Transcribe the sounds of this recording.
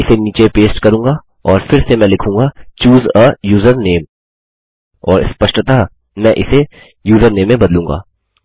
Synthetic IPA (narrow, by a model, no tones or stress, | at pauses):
ɪseniːt͡ʃepeːsʈkɐɾũːŋɡa | ɔːɾfɪɾsemɛ̃lɪkʰũːŋɡat͡ʃuːzəjuːzəɾneːm | ɔːɾɪ̰spɐʃʈət̪a | mɛ̃ʔɪse | juːzəɾneːmẽbɐd̪lũːŋɡa̰ː